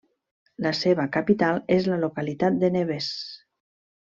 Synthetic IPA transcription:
laseβakapit̪alezləlokalit̪at̪̚d̪eneβes

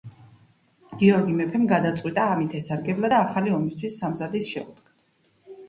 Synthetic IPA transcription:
ɡ̥iɔɾɡimɛpʰɛmɡad̪at̪sʼwit̪ʼaːmit̪ʰɛsaɾɡɛblad̪aːχaliɔmist̪ʰwisːamzad̪isʃɛ̰ṵd̪ɡa

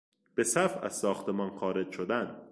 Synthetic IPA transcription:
b̥e̞sæfæ̰z̥sɒːxt̪ʰemɒːnxɒːɾed͡ʒʃod̪æn

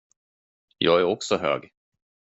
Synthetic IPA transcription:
jɑːɡæɾɔksɔɦø̰ːɡ

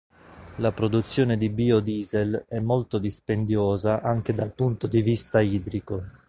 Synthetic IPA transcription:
lapɾod̪ut̪sːjoːned̪ibiːod̪iːzelɛmːolt̪od̪ispend̪joːzaʔaŋk̟ed̪alpunt̪od̪ivist̪aiːd̪ɾiko

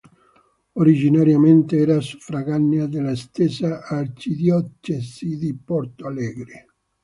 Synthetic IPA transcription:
oɾid͡ʒinaɾjament̪eɛːɾasu̥fɾaɣanːjad̪elast̪ɛsaʔːrt͡ʃid̪jɔt͡ʃːesid̪ipɔɾt̪oalɛːɡɾe

